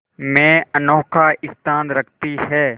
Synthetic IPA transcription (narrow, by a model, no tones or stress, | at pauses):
mɛ̃ːənɔːkʰaɪst̪ʰãːnɾɐkʰt̪iɦɛː